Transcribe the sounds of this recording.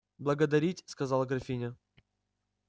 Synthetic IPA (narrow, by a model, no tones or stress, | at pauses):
blˠəɡəd̪ɐɾʲitʲskɐzɑlˠɡɾɐfʲinʲɪ